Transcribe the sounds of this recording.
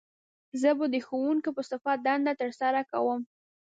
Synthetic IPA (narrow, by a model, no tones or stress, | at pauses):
zəbəd̪əxowuŋkopəsɪfat̪̚d̪and̪at̪əɾsaɾaka̰wəm